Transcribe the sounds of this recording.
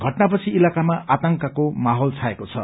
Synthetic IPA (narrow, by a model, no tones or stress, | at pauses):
ɡʱʌʈnapʌt͡sʰiilakamaat̪ʌŋkakomaɦolt͡sʰaekot͡sʰʌ̰